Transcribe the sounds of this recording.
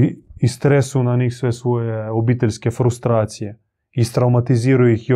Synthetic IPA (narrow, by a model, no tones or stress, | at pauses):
ist̪ɾɛsunanixsʋɛsʋojeobit̪ɛlʲskɛfɾust̪ɾaːt̪sijɛ | ist̪ɾawmat̪iziːɾujixj